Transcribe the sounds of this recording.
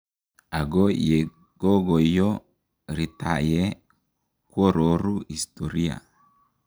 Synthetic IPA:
a˨ɡɔ˦je˨ | ɡ̥o˦ɡo˨jɔ˦ | ɾi˨ta˨jɛ˦ | kwo˦ɾo˨ɾu˦i˨st̪o˨ɾi˦a̰˨

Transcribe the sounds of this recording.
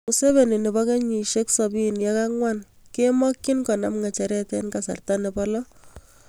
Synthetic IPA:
u˨se˦βe˨ni˨ne˨bɔ˦ke˦ɲi˨ʃe˦ksɔbi˦nja˦ka˦ŋwa˦n | ke˦mɔ˦kːi˦nkɔ˨na˨mŋa˨t͡ʃɛ˨ɾɛ˦tɛ˦nka˨sa̰˨rtanepɔ˦lɔ˦

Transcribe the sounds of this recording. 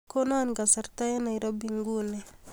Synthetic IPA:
ko˦na˦nɡa˨sa˨ɾta˦ja˦na˨iɾɔ˦bi˨ŋɡu˦nɛ˨

